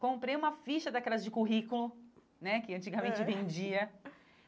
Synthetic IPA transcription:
kõmpɾejũmɐfiʃɐd̪akɛlɐzd͡ʒɪkuɦikulʊ | nɛkɪɐ̃nt͡ʃiɡɐmẽnt͡ʃɪvẽd͡ʒiɐ

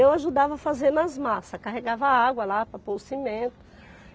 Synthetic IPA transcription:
ewaʒud̪avɐfazeɾnɐzmasɐkaɦeɡavɐaɡwɐlapɾɐpowsimẽt̪ʊ̥

